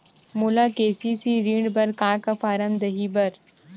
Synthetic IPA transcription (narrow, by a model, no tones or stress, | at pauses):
mulaːkeːsisiɾiːɳɖbɐɾkãːkafaːɾəmd̪ɐɦibɐɾ